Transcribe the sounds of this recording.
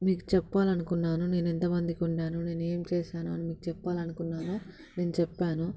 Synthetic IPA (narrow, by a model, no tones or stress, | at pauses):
miːku̥t͡ʃɛpːaːlɐnukunːaːnune̞ːnint̪ɐmɐnd̪ikuɳɖaːnune̞ːnue̞ːmt͡ʃɛːʃaːnuɐ̰nimiːkut͡ʃɛpːaːlɐnukunːaːnu | ne̞ːnut͡ʃɛpːaːnu